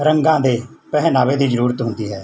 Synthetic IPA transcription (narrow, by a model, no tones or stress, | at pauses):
ɾəŋɡãːd̪eːpɛɦɛnaːʋeːd̪iːzəɾuːɾət̪ɦʊ̃nd̪iːɦɛː